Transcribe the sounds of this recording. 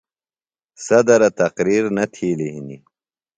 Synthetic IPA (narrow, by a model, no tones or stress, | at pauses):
sɐd̪ɐɾɐt̪ɐqɾiːɾnɐt̪ʰiːliɦini